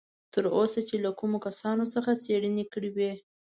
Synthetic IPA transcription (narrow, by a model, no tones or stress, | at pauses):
t̪əɾosat͡ʃelakumokasɑnosəxaseɽənekəɽiwe